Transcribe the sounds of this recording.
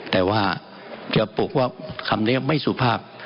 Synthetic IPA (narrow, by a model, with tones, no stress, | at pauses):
t̪ɛː˨˩waː˥˩ | t͡ɕa˨˩po˨˩k̚waː˥˩kʰa˧mni˦˥˨ma˥˩jsuː˨˩pʰaː˥˩p̚